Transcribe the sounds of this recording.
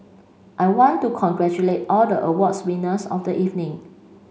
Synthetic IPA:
ʔajwɔ̃ntːukʰɔ̃nɡɹɛt͡ʃulet̚ɔldəʔəwɔtswĩnəsɔfdəʔivnĩŋ

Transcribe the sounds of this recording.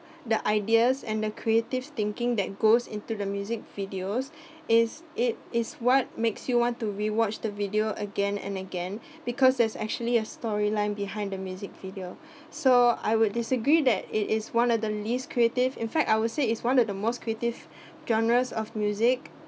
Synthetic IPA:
dəʔaɪdiəsɛ̃ndəkʰɹietɪv̥t̪ɪ̃ŋkɪ̃ŋdɛt̚ɡosɪ̰̃ntudəmjuzɪk̚vidios | ɪsɪt̚ɪswɔt̚meksjuwɔ̃ntuɹiwɔt͡ʃdəvidioʔəɡɛ̃nɛ̰̃nəɡɛ̃n | bikʰɔsdɛsɛ̰k̚t͡ʃuəliəstɔɹilãɪ̃nbiɦãɪ̃ndəmjuzɪk̚vidio | soa̰ɪjwʊddɪsəɡɹidɛt̚ɪtɪswãnɔdəliskʰɹietɪvɪ̃nfɛk̚taɪwʊdseɪtswãnɔvdəmoskʰɹietɪv | d͡ʒɔ̃nəɹəsɔfmjuzɪk̚

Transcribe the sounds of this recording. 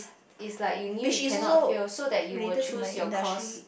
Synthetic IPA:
ɪslaɪkjuniɛ̃noisodɛt̚juwəujɔkɔs

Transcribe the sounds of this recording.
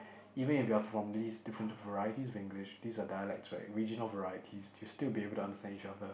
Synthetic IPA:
iːvə̃nɪfjiəfɹɔ̃md̪iːsdɪfɹə̃nvəɹajətisɔvɪ̃ŋɡlɪʃd̪iːsadajəlɛk̚tsɹɛ̰ɪkɹid͡ʒənəlvəɹajətʰisʰustɪlˠbiebəlˠtʰuãndəstæ̃nit͡ʃaðə

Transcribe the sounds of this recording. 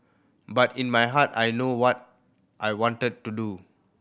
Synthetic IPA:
batĩnmajɦatajnowɔt̚ | ʔajwɔ̃ntəd̚tudu

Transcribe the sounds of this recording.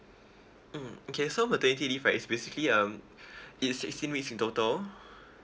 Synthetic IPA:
m̩okʰesomətənit̪̬idifasbesikliʌ̃m | itsːɪkstĩnwiksĩntotəl

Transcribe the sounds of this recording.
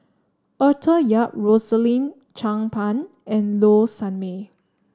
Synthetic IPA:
ʔɔtʰəjaʔ̚ɹosəlĩm | t͡ʃãŋpʰãn | ɛ̃nlosãnme

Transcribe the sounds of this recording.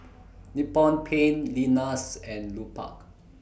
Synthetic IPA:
nipɔ̃npʰẽnlinasɛ̃nlupa̰k

